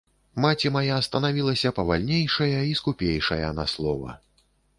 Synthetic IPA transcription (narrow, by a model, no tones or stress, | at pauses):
mat͡sʲimajast̪ɐnavʲilˠɐsʲɐpɐvalʲnʲejʂɐjɐiskupʲejʂɐ̰jɐ̰naslˠɔvɐ̰